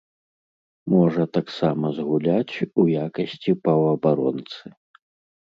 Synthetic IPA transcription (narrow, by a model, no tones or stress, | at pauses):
mɔʐɐt̪aksamɐzɣulʲat͡sʲujakɐsʲt͡sʲipɐwɐbaɾɔ̰nt̪sɨ